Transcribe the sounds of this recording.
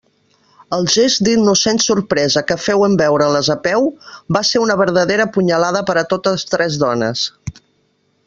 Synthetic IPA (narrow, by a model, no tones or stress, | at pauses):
əlˠʒezd̪inusensuɾpɾɛzəkəfɛwəmbɛwɾələzəpɛwbaseɾunəβəɾðəðeɾəpuɲəlaðəpəɾət̪ot̪əst̪ɾɛzðɔnə̰s